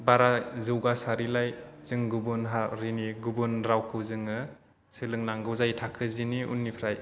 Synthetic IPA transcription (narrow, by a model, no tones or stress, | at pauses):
baɾazɯwɡasaɾilajz̥ɯŋɡubunɦaɾiniɡubunɾawkʰɯwzɯŋɯ | sɯlɯŋnaŋɡɯwzajtʰakʰɯziniʔṵnːipʰɾaj